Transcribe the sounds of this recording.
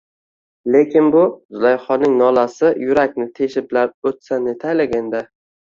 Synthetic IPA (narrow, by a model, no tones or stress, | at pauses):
le̞kʲʰɪnbʊzʊlajχɒnːɪŋnɒlasɪjʊɾakʲnɪt̪ʰe̞ʃɪplaɾot̪sane̞t̪ʰajlaɡʲand̪a